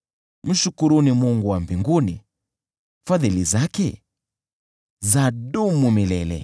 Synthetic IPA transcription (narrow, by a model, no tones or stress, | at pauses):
m̩ʃukuɾunimuŋɡuwambiŋɡuni | faðilizakɛ | zadumumilɛlɛ̰